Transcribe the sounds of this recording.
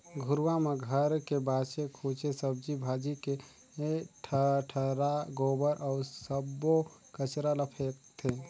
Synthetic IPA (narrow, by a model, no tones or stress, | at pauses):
ɡʱuɾwameɡʱəɾkebasekʰot͡ʃesəb̚d͡ʒibʱad͡ʒike | ʈʰəʈʰəɾaɡobəɾʔɔʊɾsəbokət͡ʃɾaləpʰekt̪ʰe